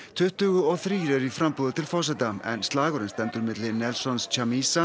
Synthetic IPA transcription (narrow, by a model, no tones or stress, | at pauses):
t̪ʰʏht̪ʏɣʏɔθɾiːɾɛɾifɾampuːðɪt̪ʰɪlfɔrs̬ɛt̪aɛ̰nst̪laːɣɔɾɪnst̪ɛmt̪ʏɾmɪt̪lɪnɛlsɔnst͡ɕʰamiːsa